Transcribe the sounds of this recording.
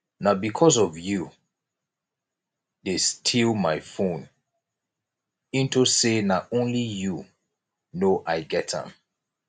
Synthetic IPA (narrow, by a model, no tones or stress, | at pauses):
nabikʰɔzɔvju | destʰilmaɪfõn | ĩntusenaʔõnliju | noʔaɪɡɛtã̰m